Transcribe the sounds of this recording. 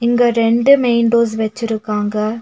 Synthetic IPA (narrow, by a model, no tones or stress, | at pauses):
ɪŋɡɐɾɛɳɖɯmeɪnɖoːs̬ʋɛt͡ʃːɪɾɯkːaːŋɡɐ